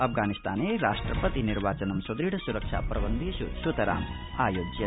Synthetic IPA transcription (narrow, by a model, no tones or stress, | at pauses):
ɐpʰɡaːnist̪ʰaːneːɾaːʂʈɾɐpɐt̪iniɾʋaːt͡ʃɐnɐmsɐd̪ɾiʈɐsuɾɐkʂa̰ːpɾɐʋɐnd̪isusut̪ɐɾa̰ːm | aːjoːd͡ʒjɐ